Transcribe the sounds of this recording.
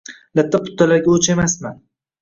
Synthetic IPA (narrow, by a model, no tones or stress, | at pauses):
lat̪ʰːapʰʊ̥t̪ʰːalaɾɡʲaot͡ʃʰemasman